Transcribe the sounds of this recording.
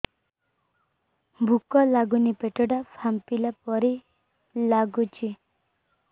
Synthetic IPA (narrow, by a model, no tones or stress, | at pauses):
bʱukɔlaɡunipeʈɔɽapʰampilapɔɾi | laɡut͡ʃʰi